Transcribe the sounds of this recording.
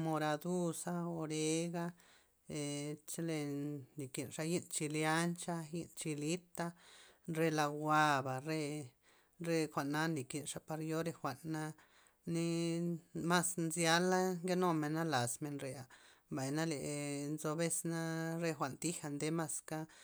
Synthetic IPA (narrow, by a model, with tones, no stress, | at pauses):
mo˧ɾa˧d̪u˦sa˧o˧ɾe˧˦ɡa˦ | e˨t͡ʃle˧ni˨ki˨nʂa˧ji˦nt͡ʃi˧lja˦nt͡ʃa˧ji˧nt͡ʃi˧li˦t̪a˦˧nɾe˧la˧wʷa˧ba˨ɾe˧ | ɾe˧xʷa˨ʔnːa˦ni˨ki˨nʂa˧pa˧ɾjo˦ɾe˧xʷa˨ʔnːa˧ | ni˦ | ma˦snzja˧˦la˦ŋɡe˦no˧me˨na˦la˨sme˧nɾe˨˧a˨ | mba˨jna˦le˨ʔnzo˧be˦sna˦ɾe˧xʷa˨nt̪i˦xa˧nd̪e˧˦ma˧ska˦